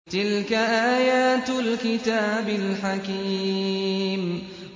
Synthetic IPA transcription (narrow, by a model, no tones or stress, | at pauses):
t̪ɪlkaʔaːjaːt̪lkɪt̪aːbɪlħakiː | m